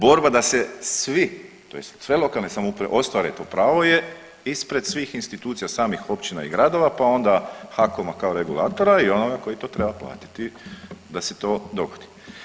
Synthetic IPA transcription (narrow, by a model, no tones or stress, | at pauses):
bo̞ɾbad̪asesʋi | t̪ojest̪sʋe̞lˠo̞kalˠnesamoupɾeʔo̞st̪ʋaɾet̪o̞ːpɾaːʋo̞je | ispɾe̞d̪sʋiːxinst̪it̪uːt̪sijasaːmixo̞pt͡ʃina̰iɡɾad̪o̞ʋapao̞nd̪axakomakaoɾeɡulˠaːt̪o̞ɾaio̞noɡako̞jit̪o̞ːt̪ɾebaplˠa̰ːt̪i̥t̪id̪aset̪o̞ːd̪o̞ɡod̪̥i̥